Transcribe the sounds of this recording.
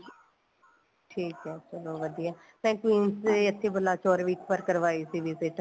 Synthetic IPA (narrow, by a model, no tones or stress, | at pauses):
ʈʰiːkɦɛːt͡ʃəloːʋəd̪ijaː | mɛ̃ːkʋiːnseət̪ʰːeːbəlːaːt͡ʃɔːɾʋiːkʰpəɾkəɾʋaːisiːʋɪzɪʈ